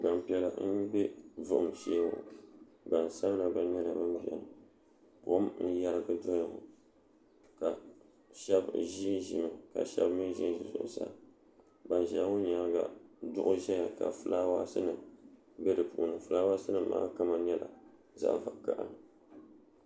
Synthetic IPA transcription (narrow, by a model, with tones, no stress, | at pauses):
ba˨m˨pi˨ɛ˨la˨m̩˦bɛ˦vʊ˨ʔʊ˨mʃeː˦o̰˨ | ba˨n˨sa˦m˦la˨ba˨˦ɲɛ˦la˨ba˦mʒɛ̰˨nɨ˨ | bo̰˦m˦n̩˦ja˦ɾɨ˦ɡɨ˦dɔ˦ja˨ŋʊ̰˨ | ka˨ | ʃɛ˦bʒi˦ʒi˨mɨ˨ka̰˨ʃɛ̰˦bmi˦ʒi˦n˦ʒi˨zʊ̰˨ʔʊ̰˨sa̰˦ | ba˨nʒa˦ʊ˦ɲa˨˦ɡa̰˨dʊ˦ʔʊ˦ʒɛ˦ɲa˨ka̰˨fɨ˨laː˦wa˦sɨ˦nɨ˨ | bɛ˦dɨ˨pʊ˨ʔʊ˨nɨ˨fɨ˨˦laː˦wa˦sɨ˦nɨ˨˦ma̰ː˦ka˦ma˨ɲɛ˦la̰˨ | za̰˦˨ʔva˨ka˨ʔa̰˨n˨